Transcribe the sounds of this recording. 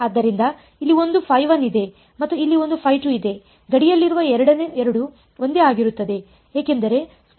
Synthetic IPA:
aːd̪ːɐɾind̪ɐ | ilːio̞nd̪upʰɐjʋɐnid̪e̞ | mɐt̪ːuilːio̞nd̪upʰɐjʈuid̪e̞ | ɡɐɽijɐlːiɾuʋɐɛɾɐɽɐneɛɾɐɽu | o̞nd̪e̞aːɡiɾut̪ːɐd̪e̞ | eːke̞nd̪ɐɾe̞

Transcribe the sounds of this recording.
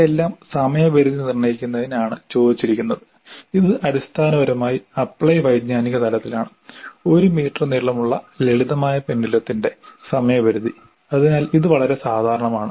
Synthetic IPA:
elːaːmsɐmɐjɐbɐɾuðinirɳɐjikʲːunːɐðinaːɳɨt͡ɕo̞ːd̪it͡ɕːiɾikʲːunːɐðɨ | iðɨʔɐɽist̪ʰaːnɐʋɐɾmaːjiɐpːɭɐjʋɐjd̪ɲaːniɣɐt̪ʰɐlɐt̪ːilaːɳɨ | o̞ɾumiːʈrɐniːɭːɐmuɭːɐleɭiðɐmaːjɐpe̞nːilɐt̪ːinde̞sɐmɐjɐbɐɾuði | ɐðinaːliðɨʋɐɭɐɾe̞saːd̪ʱaːɾɐɳɐmaːɳɨ

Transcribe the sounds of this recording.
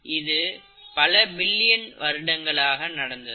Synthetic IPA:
ɪðɯ | pɐlɐbɪlːɪjɐnʋɐɾɯɽɐŋɡɐɭaːɣɐnɐɽɐnd̪ɐð

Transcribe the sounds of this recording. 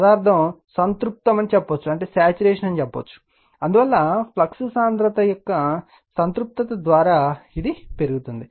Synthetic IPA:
sɐd̪aːɾt̪ʰɐmsɐnt̪ɾup̚t̪ɐmɐnt͡ʃɛpːɐʋt͡ʃːuɐɳʈe̞ːsaːt͡ʃuɾeːʂɐnɐnit͡ʃɛpːɐʋt͡ʃːu̥ | ɐnd̪uʋɐlːɐpʰlɐksusaːnd̪ɾɐt̪ɐjɔkːɐ | sɐnt̪ɾup̚t̪ɐt̪ɐd̪ʋaːɾaːid̪ipe̞ɾuɡut̪und̪i

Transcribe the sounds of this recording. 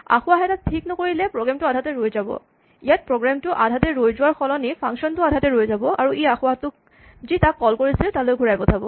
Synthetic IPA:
a̰xʊwaɦɛtatʰiknɔkoɹilɛpɹɔɡɹamtʊadʱatɛɹojzabɔ̰ | ijat̚pɹɔɡɹamtʊʔadʱatɛɹojzʊwaɹxɔlɔnipʰaŋksɔntʊadʱatɛɹojzabɔʔa̰ɹuʔejaxʊwatʊk̚ | zitakːɔlkoɹisiltalojɡʱuɹajbɔtʰabɔ̰

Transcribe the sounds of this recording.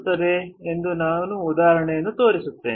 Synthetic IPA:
t̪ːɐd̪eːnd̪unaːnuːd̪aːɐɾɐɳɛjɐnːut̪o̞ːɾisut̪ːḛː

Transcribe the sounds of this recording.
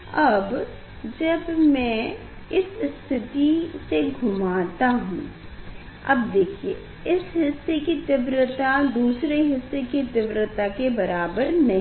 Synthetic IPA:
ɐb | d͡ʒɐbmɛ̃ | ɪsst̪ʰɪt̪iseɡʱʊmaːt̪aɦṵ̃ː | ɐ̰bd̪eːkʰie | ɪsɦɪsːekit̪ɪbɾət̪ad̪uːsɾeɦɪsːekit̪ɪbɾət̪akebɐɾaːbəɾnɐɦ

